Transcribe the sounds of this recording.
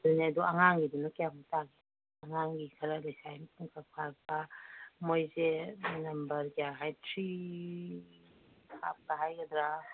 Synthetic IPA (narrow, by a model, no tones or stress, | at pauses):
duneduaŋaŋɡidunakeamataɡi | ɐŋaŋɡikʰɐɾalajsajmpʰuŋkʰapʰaɾ̚bamojzenɐmbɐɾɡaɦajtʰɾi | kʰa̰p̚kaɦajɡɐd̪ɾa